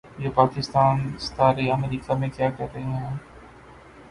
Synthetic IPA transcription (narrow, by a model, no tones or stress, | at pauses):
jeːpaːkɪst̪aːnst̪aːɾiɐmɾiːkamẽkjaːkɐɾɾəɦĩɦɛ̃ː